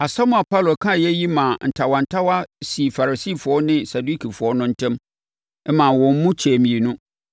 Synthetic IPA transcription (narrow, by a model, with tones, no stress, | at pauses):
a˨sa˦mʊ̃˨a˨pʰa˦˨lo˨kʰã˦˨jɛ˦ji˦mã˨n̩˨tʰa˨wã˨n̩˨tʰa˦wa˦si˨fa˨ɾa˨siː˦˨fʊ˨ɔ˦nɪ̃˦sa˨du˦kʰi˨fʊ˨ɔ˦nʊ̃˦n̩˦tʰɛ̃˦m | ɛ˦mã˨wɔ̃˨m̩˦mũ˦t͡ɕʰɛ˨mĩ˨e˨nʊ̃˦